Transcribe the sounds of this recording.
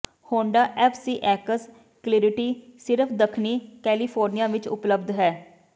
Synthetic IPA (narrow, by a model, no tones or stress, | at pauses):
hoːɳɖaːʔɛːpʰsiːʔɛːkəs | klɪːɾɪʈiːsɪɾəpʰd̪əkʰniːkɛːlipʰoːɾnijaːʋɪt͡ʃʊ̰pləb̚d̪ɦɛː